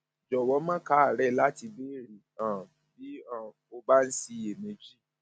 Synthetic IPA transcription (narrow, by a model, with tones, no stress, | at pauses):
d͡ʒɔ˨wɔ˨˦mã˦ka˨˦a˦˨ɾɛ˦˧la˦ti˧be˦ɾi˨ã˨ | bi˨˦ã˦˨ | o˧ba˦n̩˦si˧e˨mẽ˧d͡ʒi˦˨